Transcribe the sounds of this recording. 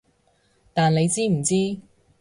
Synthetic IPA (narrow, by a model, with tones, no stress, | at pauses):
t̪aː˨nle˨˧jt͡siː˥m̩˨˩t͡siː˥